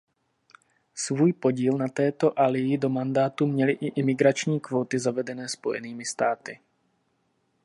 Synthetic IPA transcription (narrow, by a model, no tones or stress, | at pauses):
svuːjpo̞ɟiːlnat̪ɛːt̪o̞ʔalɪjɪdo̞mandaːt̪umɲɛlɪʔɪʔɪmɪɡɾat͡ʃɲiːkvo̞ːt̪ɪzavɛdɛnɛːspo̞̰jɛ̰niːmɪst̪aːt̪ɪ